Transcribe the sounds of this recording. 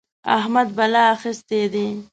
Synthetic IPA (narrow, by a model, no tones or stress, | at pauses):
a̰ɦmad̪balaːxɪst̪ed̪i